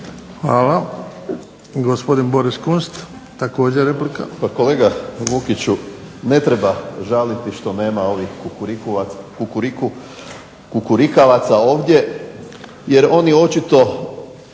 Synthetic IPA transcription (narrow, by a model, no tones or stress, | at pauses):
xʋaːla | ɡospo̞d̪inbo̞ɾiskunst̪ | t̪ako̞ːd͡ʑeɾeplika̰pako̞le̞ːɡaʋukit͡ɕune̞t̪ɾebaʒalit̪iʃt̪o̞ne̞ːmao̞ʋixɾkuakukuɾiku | kukuɾikaʋat̪sao̞ːʋd̪ʲje̞ | je̞ɾo̞nio̞t͡ʃit̪o̞